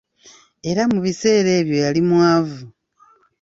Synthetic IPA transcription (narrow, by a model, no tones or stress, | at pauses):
e̞ɾamuβise̞ːɾe̞ːβjo̞jalimwaːvu